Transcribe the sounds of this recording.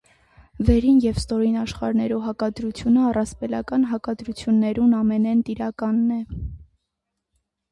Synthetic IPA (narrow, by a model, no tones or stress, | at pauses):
vɛɾinjɛvst̪ɔɾinɑʃχɑɾnɛɾuɦɑkɑd̪ɾut͡sʰjunəɑrɑspɛlɑ̰kɑnɦɑkɑd̪ɾut͡sʰjunːɛɾunɑmɛnɛnt̪iɾɑkɑnːɛ